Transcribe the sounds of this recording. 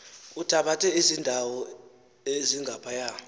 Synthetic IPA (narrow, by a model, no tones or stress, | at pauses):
utʰaɓatʰʼɛizindʱawɔ | eziŋɡʱapʰajaː